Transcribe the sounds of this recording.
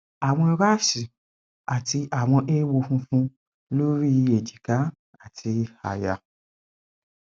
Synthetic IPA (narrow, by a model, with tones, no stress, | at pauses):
a˨w̃ɔ̃˧i˧ɾa˦˨ʃi˨ | a˨ti˧ʔa˨w̃ɔ̃˧ʔe˦wo˧fũ˧fũ˦ | lo˦ɾi˦˧e˨d͡ʒi˨ka˨˦ | a˦˨tʰi˧a̰˨ja˨